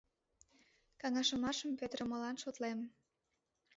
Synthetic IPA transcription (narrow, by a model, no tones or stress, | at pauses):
kɑŋɑʃəmɑʃəmpet̪rəməlɑnʃot̪lem